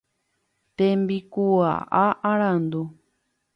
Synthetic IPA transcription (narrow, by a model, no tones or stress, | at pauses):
t̪embikua̰ʔaʔaɾãnd̪u